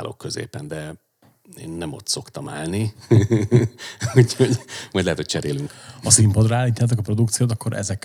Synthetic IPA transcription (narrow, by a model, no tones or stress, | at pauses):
lo̰kːøzḛːpɛnd̪ɛ | eːnːɛmo̞t̪so̞kt̪ɒmaːlni | uːco̞ɟmɒjɟ̪lɛɦɛt̪ho̞c̚ʲt͡ʃɛɾeːlyŋkɒsimpod̪rɒaːlːiːt̪jaːt̪̬okɒpro̞d̪ukt̪sijoːt̪ɒkːoɾʔɛ̰zɛk